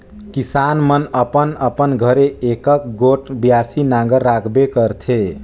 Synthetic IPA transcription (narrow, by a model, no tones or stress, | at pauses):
kisanmənəpənəpənɡʱəɾeekək̚ɡoʈbjasinaɡəɾːakʰbekəɾt̪ʰe